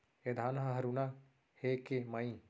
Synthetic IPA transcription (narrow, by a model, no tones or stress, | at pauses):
ed̪ʱaːnɦɐɦɐɾuna | heːkemaĩ